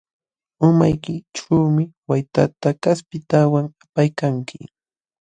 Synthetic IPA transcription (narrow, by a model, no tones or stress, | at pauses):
ʊma̰jkɪʈ͡ʂawmɪwajt̪at̪akaspɪt̪awaŋapajkaŋkɪ̰